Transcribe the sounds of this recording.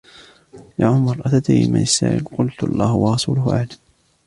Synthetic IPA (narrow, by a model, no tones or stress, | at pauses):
jaːʕʊmɑɾˤʔat̪at̪ajɪmanɪsːa̰ːʕʔɪ̰lqʊlt̪ɑ̰lˤːɑːhwɑɾˤɑsṵːlʊhʔa̰ʕd̪am